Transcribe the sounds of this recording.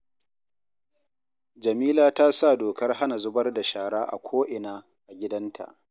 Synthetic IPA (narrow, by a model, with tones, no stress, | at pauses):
d͡ʒɐ˨miː˦laː˦taː˦sa˦˨doː˨kɐ˦rɦa˦na˨zʊ˦bɐ˦rda˨ʃaː˨ɽaː˦ʔa̰˨kʷʰoː˦ʔɪ˨naː˦ | ʔa˨ɡʲɪ˦dɐ˦ntʰa̰˨ʔ